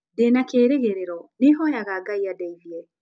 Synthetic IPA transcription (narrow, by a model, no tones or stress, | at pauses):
denakeːɾeɣeɾeɾɔneɦɔjaɣaɡaiadɛiðiɛ